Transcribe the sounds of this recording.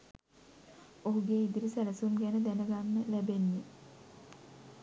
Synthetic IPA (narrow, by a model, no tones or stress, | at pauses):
oɦuɡeːid̪iɾisæləsumɡænəd̪ænəɡanːəlæbenːe